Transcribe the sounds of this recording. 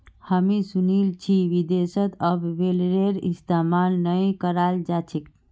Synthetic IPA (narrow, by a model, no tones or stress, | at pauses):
həmisunilt͡ʃʰiʋid̪esət̪əbːelɾeɾist̪emalnəjkəɾald͡ʒat͡ʃʰik